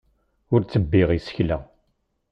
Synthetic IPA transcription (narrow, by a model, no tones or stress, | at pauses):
ʊɾt͡sːəbːɪʁisə̥çlæ